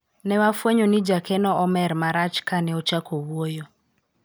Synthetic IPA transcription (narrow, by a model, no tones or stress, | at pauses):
nɛwafwɛɲɔnid͡ʒakʰɛnɔʔɔmɛɾmaɾat͡ʃkanɛɔt͡ʃakowwɔjɔ